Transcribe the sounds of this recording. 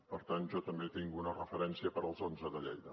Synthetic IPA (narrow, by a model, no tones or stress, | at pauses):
pəɾt̪anʒɔt̪əmbet̪iŋɡuunərəfəɾɛnsiəpəɾəlˠzonzəðəʎɛ̰jðə